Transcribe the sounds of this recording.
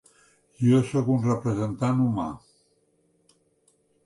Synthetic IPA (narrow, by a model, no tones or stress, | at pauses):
iosokunrəpɾəzent̪anuma̰